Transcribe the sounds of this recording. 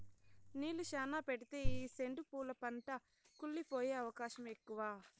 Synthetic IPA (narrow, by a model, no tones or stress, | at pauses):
niːluʃaːnaːpeʈit̪e̞ːiːse̞ɳɖupuːlɐpɐɳʈɐ | kulːipo̞ːje̞ːɐʋɐkaːʃɐme̞kːuʋaː